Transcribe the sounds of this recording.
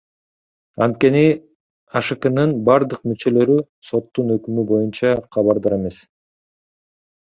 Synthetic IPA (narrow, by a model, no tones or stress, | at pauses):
ɑ̰nt̪̚ke̞ni | ɑʃɯkɯnɯnbɑɾd̪ɯq̚myt͡ʃø̞lø̞ɾy | so̞t̪ːunø̞kymybo̞junt͡ʃɑqʰɑβɑɾd̪ɑɾe̞me̞s